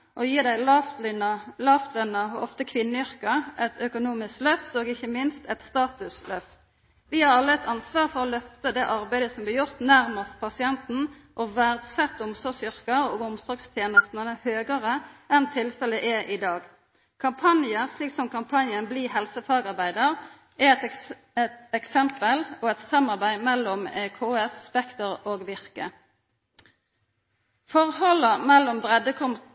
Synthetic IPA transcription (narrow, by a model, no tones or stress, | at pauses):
ʔɔjiːd̪æɪlɑft̪nɑlɑːft̪ʰlœnːɑɔ̰ft̪əkʰʋɪnːəʏʁkɑʔɛt̪ʰœkʊnuːmɪsklœft̪oːɡɪçːəmɪnst̪ɛt̪st̪ɑːt̪ʉslœft̪ | ʋɪhɑʁɑlːəɛt̪ʰɑnsʋɑːʁfɔʁɔlœft̪əd̪ɛʔɑʁbæɪd̪əsɔmblɪʁjʊʁt̪næʁməst̪̚pʰɑsɪɛnt̪n̩ | ʔɔʋæʁd̪sɛt̪ːʊmsɔɡsʏʁkəɾoːɡʊmsɔɡst̪ʰjeːnəst̪nənəhøːɡəʁəɛnt̪ʰɪlfələʔɛʔid̪ɑːɡ | kʰɑmpʰɑnjəsliːksɔmkʰɑmpʰɑnjənbliːɦɛlsəfɑːɡɑʁbæɪd̪əʁ | ɛɛt̪ | ɛt̪ɛksɛmpəloːɛt̪sɑmːɑʁbæɪmɛlːɔmɛkʰoːɛsspɛkt̪əʁoːɡʋɪʁkə̰ | fɔʁhɔləmɛlːɔmbʁɛd̪əkʰɔmt̪